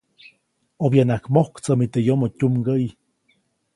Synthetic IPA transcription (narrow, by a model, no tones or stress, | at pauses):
objanakmohkt͡səmit̪ejomotʲumɡəj